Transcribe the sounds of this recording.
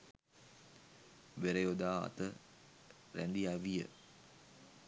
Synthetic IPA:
ʋeɾejod̪aːa̰t̪ə | ɾænd̪iaʋijə̰

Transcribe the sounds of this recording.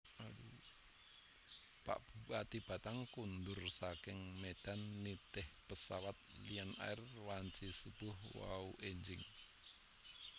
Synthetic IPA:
aɾu | pa̰ʔb̥ukat̪ib̥at̪aŋkund̪ʊrsakɪŋmed̪̥anːit̪ɪhpəsawat̪̚liana̰ɛrwaɲt͡ʃisub̥ʊɦwa̰uʔeɲd͡ʒɪŋ

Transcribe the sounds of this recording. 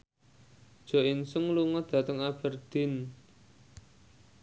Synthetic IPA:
d̥ʒ̥ɔ̤ɪnsʊŋluŋɔd̪̥ä̤t̪əŋab̥ə̤rd̪̥ɪ̤n

